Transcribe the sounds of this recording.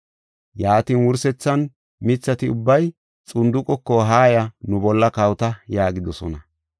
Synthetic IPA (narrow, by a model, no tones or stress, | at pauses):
jaːt̪iːnwʊɾsɛt͡sːɐn | mɪt͡sːɐt̪ɪʊbːɐj | t͡sʼʊnd̪ʊkʼːɔkːɔɦaːjɐnʊbɔlːɐkɐwt̪ɐjaːɡɪd̪ɔsɔ̰nɐ